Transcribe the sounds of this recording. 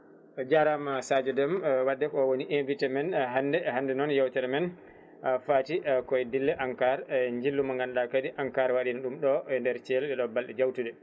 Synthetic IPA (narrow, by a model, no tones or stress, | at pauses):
d͡ʒaɾamasad͡ʒɛdɛmwadːɛkɔɔwoniʔenvitɛmɛnɦandɛhandɛnɔnjɛwtɛɾɛmɛn | afatiʔkɔjdilːɛʔaŋkaɾɲd͡ʒilːumaŋɡanɗakadiʔaŋkaɾwaɗinaɗumɗɔndɛɾt͡ʃɛlɛɗɛɗɔbalɗɛd͡ʒawtuɗɛ